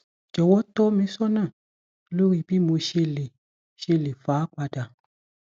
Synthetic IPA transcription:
d͡ʒɔ˨wɔ˦tɔ˦mĩ˧˦sɔ˦nãː˦˨˦ | lo˦ɾi˦˧˨bi˦mo˧ʃe˧le˨ | ʃe˧le˨faː˨˦k͡pa˧da˨

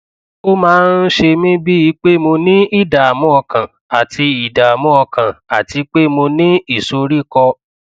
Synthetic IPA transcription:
o˦mãː˦n̩˦ʃe˧mĩ˦bi˦i˧˦k͡pe˦mo˧nĩ˦i˦da˨a˨mɔ̃˦ɔ˧kã˨ | a˨tʰi˧i˨da˨a˨mɔ̃˦ɔ˧kʰã˨a˨ti˧k͡pe˦mo˧nĩ˦i˦˨so˧ɾi˦kɔ˧

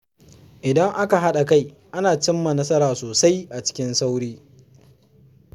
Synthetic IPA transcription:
ʔɪ˨dɐ˦ŋʔa˦ka˨ɦa˦ɗa˨ka˦j | ʔa˦naː˨t͡ʃɪ˦mːa˨nɐ˦sɐ˦ɾaː˨soː˨sa˦jʔa˨t͡ʃɪ̥˦kʲɪ˦nsa˦wɽiː˦

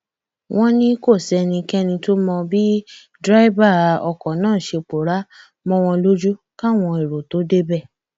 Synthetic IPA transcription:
w̃ɔ̃˧˦nĩ˦ko˦˨sɛ˧nĩ˧kɛ˦nĩ˧to˦mɔ̃˧bi˦ | dɾa˦i˦ba˦˨ɔ˧˨kɔ̃˨nãː˦˨ʃe˧k͡po˨ɾa˦ | mɔ̃˧w̃ɔ̃˧lo˦d͡ʒu˦ka˦˨w̃ɔ̃˧e˨ɾo˨to˨˦de˦bɛ˦˨

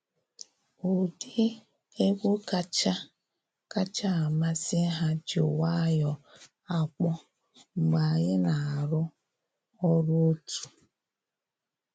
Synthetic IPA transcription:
o˨di˦ | e˦ɡʷo˦ka˦t͡ʃa˦ | ka˦t͡ʃa˦a˨ma˦sɪ˦ɦa˦d͡ʒo̰˨wa˦jɔ˦ | a˨k͡pɔ˦ | ŋ͡m̩˨ɡ͡ba˨ɣɪ˦na˨ɾʊ˦ | ɔ˦ɾo˦o˦tu̥˨

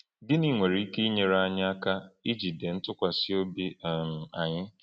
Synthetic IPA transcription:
dɪ˦ni˨ŋʷe˨ɾi˨˦i˦ke˦i˦ɲe˨ɾa˦a˦ɲɪ˦a˦ka˦i˦d͡ʒi˨de˨n̩˦tʊ˦kʷa˨sɪ˦o˦bi˦˨m̩˨a˨ɲɪ˦

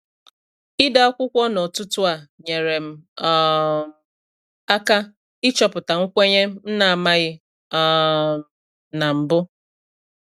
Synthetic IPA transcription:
ɪ˦da˦ɔ˦kʷʊ˦kʷɔ˦nɔ˨tʊ˦tʊ˦a˨ɲe˨ɾe˨m̩˨˦˨ | a˦ka˦ | ɪ˦t͡ʃɔ˦pʊ˨ta˨ŋ̩˦kʷe˦ɲe˦m̩˦n̩˦na˨a˨ma˦ɣɪ˦ | na˨m̩˨bʊ˦

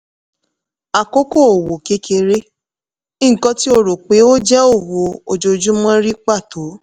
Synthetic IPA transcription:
a˨ko˦ko˦˨o˨wo˨ke˨˦kʰe˧ɾe˦ | i˦˨kɔ̃˦ti˦o˧ɾo˨k͡pe˨˦o˦d͡ʒɛ˦o˦˨wo˨o˨d͡ʒo˧d͡ʒũ˦mɔ̃˦ɾi˦k͡pa˦˨to˨˦

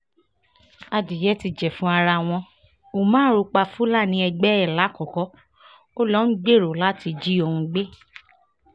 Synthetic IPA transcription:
a˧di˨jɛ˨˦ti˧d͡ʒɛ˨fũ˨˦a˧ɾa˧w̃ɔ̃˧ | o˨mãː˦ɾu˧k͡pa˧fu˦la˦˨nĩ˧˦ɛ˧ɡ͡bɛ˦ɛ˦˨la˨˦kɔ˨kɔ˨˦ | o˦lɔ˦n̩˦ɡ͡be˦˨ɾo˨la˨˦ti˧d͡ʒi˦o˧hũ˧ɡ͡be˦

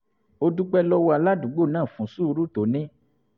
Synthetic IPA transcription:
o˧du˦k͡pɛ˦lɔ˦wɔ˧a˧la˦dũ˨ɡ͡bo˦˨nãː˦˨fũ˨˦su˦˧ɾu˦to˨˦nẽ˦

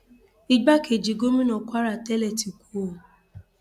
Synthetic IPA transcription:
i˦ɡ͡ba˦kʰe˨d͡ʒi˨ɡo˦mĩ˦nɔ̃˨kʷa˦ɾa˨tɛ˦lɛ˨ti˨kʷo˨

